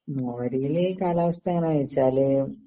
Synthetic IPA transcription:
moːɾijilekaːlaːʋɐst̪aŋːɐnajt͡ɕːaːlɨ

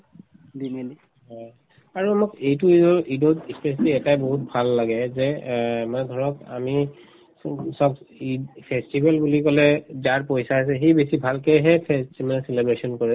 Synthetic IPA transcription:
dindi | ɦɔj | aɹuamokejtuizɔidotispesaliɛtajboɦut̚bʱalːaɡɛzɛmadʱɔɹɔka̰mi | sɔkipʰestibʱalbulikɔlɛdaɹpojsaasɛxibesibʱalkɛjɦɛpʰestibalselebɹesɔnkɔɹɛ

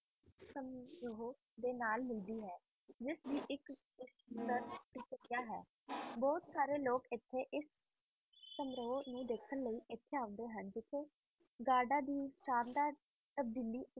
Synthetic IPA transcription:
səmɾoːo | d̪eːnaːlmɪld̪iːɦɛː | d͡ʒɪsd̪iːʔɪkɪst̪əɾɪsəɾijaːɦɛ̰ː | bɔːt̪saːɾeːloːkɪt̪ʰːeːʔɪsː | əmɾoːnũːd̪eːkʰənləiːʔɪt̪ʰːeːaːə̃nd̪eːɦənd͡ʒɪt̪ʰːeː | ɡaːɖãːd̪iːʃaːnd̪aː | t̪əb̚d̪iːliː

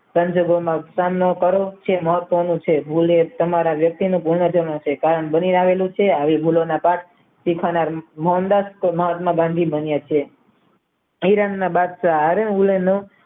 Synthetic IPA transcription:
sə̃ɲd͡ʒoɡomãsamnokəɾot͡ʃʰeməɦət̪ːʋənũt͡ʃʰebʱulet̪əmaɾaʋjək̚t̪inũpuɾɳəd͡ʒəʋãt͡ʃʰekaɾəɳbəniɾaʋelũt͡ʃʰeaʋebʱulonapaʈ̚ | sikʰʋanaɾmɔɦnd̪asməɦət̪mãbãnd̪ʱibənjat͡ʃʰe | iɾanːabad̪ʃaːɾənulenũ

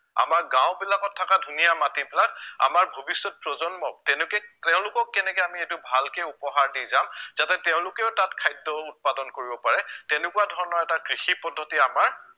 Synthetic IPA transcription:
a̰maɹɡãw̃bilakɔtʰːakadʱunijamatibilak̚a̰maɹbʱobisːɔt̚pɹɔzɔnmɔk̚tɛnʊkɛtɛʊ̃lʊkɔkːɛnɛkɛamietubʱalkejupɔɦaɹdizamz̥atɛtɛʊ̃lʊkɛʊtatkʰajdɔut̚padɔnkoɹibɔpaɹɛtɛnekuwadʱɔɹɔnɔɹɛtakɹixipɔdʱːɔtiamaɹ

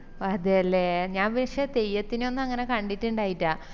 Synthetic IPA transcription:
ɐðɨɐlːeɲaːnʋeʂet̪e̞jːɐt̪ːino̞nːɐŋːɐne̞kɐɳɖitːuɳɖaːjitːaː

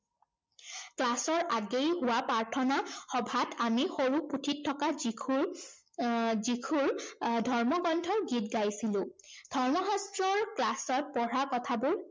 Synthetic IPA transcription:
klasɔɹʔaɡejɦʊwapaɹtʰɔnaxɔbʱatʰamixoɹuputʰitʰːɔkazikʰu | zikʰuɹdʱɔɹmɔɡɔndʱɔɹɡit̚ɡajsilʊ̃d̥ʱɔɹmɔɦɔstɹɔɹklasɔt̚pɔɹakɔtʰabʊɹ

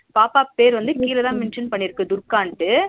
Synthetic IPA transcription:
paːpaːpeːɾʋɐnd̪ɯkiːlɐðãːmɛnʂɐnpɐɳːɪɾɯkːɯd̪ʊɾkaːɳʈɯ

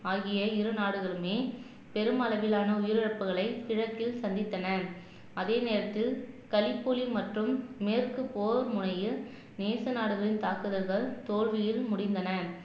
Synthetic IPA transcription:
aːɣɪjɐɪɾɯnaːɽɯɣɐɭɯmeː | pɛɾɯmɐlɐʋɪlaːnɐʊjɪɾɪrɐpːɯɣɐɭɐɪɪɻɐt̪ːɪlsɐnd̪ɪt̪ːɐnɐ | ɐðeːneːɾɐt̪ːɪlkɐlɪpːulimɐʈrɯmːeːrkɯpoːɾmʊnɐjɯ | neːsɐnaːɽɯɣɐɭɪnt̪aːkɯðɐɾɣɐɭt̪oːɻʋɪjɪlmʊɽɪnd̪ɐnɐ

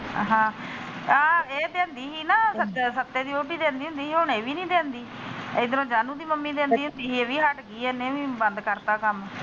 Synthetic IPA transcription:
ɦãː | aːeːd̪ẽːnd̪iːɦiːnaːsəsət̪ːeːd̪iːoːʈiːd̪ẽːnd̪iːɦʊ̃nd̪iːiːɦʊɳeːʋiːnĩːd̪ẽːnd̪iː | id̪ɾõːd͡ʒaːnũːd̪iːməmːiːd̪ẽːnd̪iːɦʊ̃nd̪iːɦiːeːʋiːɦəʈɡiːɛːneːʋiːbənd̪kəɾt̪aːkəm

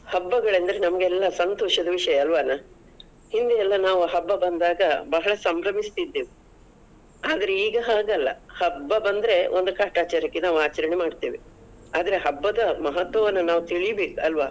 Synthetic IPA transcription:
hɐbːɐɡɐɭɐnd̪ɐɾe̞nɐmɐɡeɛlːɐsɐnt̪oːʂɐd̪ɐʋiʂɐjɐːlʋaːna | hind̪eɛlːɐnaːʋuɦɐbːɐbɐnd̪aːɡɐbɐɦɐɭɐsɐmbɾɐmist̪id̪ːeːʋi | aːd̪ɐɾe̞iːɡɐɦaːɡɐlːɐ̰hɐbːɐbɐnd̪ɐɾe̞ʔond̪ukaːʈaːt͡ʃaɾɐkːenaːʋuaːt͡ʃɐɾɐnemaːɖt̪iːʋi | aːd̪ɐɾe̞ɦɐbːɐd̪ɐmɐɦɐt̪ʋɐʋɐnːɐnaːʋut̪iɭijɐbe̞ːkuɐlʋaː

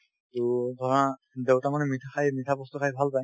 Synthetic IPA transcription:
tudʱɔa | dewtamanɛmit̪ʰakʰajmit̪ʰabɔst̪ɔkʰajbʱalpaj

